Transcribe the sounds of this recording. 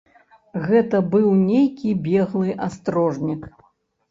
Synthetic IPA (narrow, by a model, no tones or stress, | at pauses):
ɣɛt̪ɐbɨwnʲejkʲibʲɛɣlˠɨʔast̪ɾɔʐnʲik